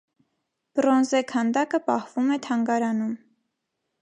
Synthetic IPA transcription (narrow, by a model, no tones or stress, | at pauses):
b̥ɾɔnzɛkʰɑnd̪ɑkəpɑhvumɛt̪ʰɑŋɡɑɾɑnum